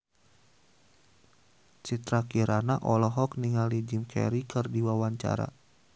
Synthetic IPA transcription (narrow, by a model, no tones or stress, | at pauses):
t͡ʃit̪ɾakiɾanaʔɔlɔɦɔkniŋalid͡ʒimkʰɛ̰ɾikɨrdiwawaɲt͡ʃa̰ɾa̰